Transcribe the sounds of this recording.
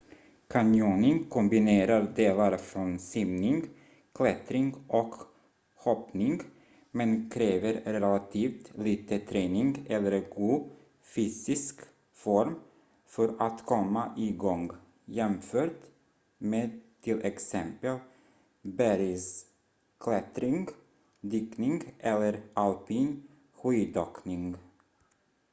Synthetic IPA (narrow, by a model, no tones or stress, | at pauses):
kʰanjuːnɪŋkʰɔmbɪneːɾaɾd̪eːlaɾfɾɔnsimnɪŋɡ | kʰlɛt̪ɾɪŋɡɔk | hɔpnɪŋɡ | mɛnkʰɾeːvəɾɾɛlat̪ʰiːft̪liːt̪ət̪ʰɾeːnɪŋɡɛlːəɾɡuː | fyːsɪsk | fɔɾm | fœɾat̪kʰɔmːaʔɪɡɔŋɡ | jɛmføːʈ | meːt̪ʰːɪlʔɛksɛmpəl | bæɾɪs | kʰlɛt̪ɾɪŋɡ | d̪yːknɪŋɡʔɛlːəɾʔalpiːn | ɧyːd̪ɔknɪŋɡ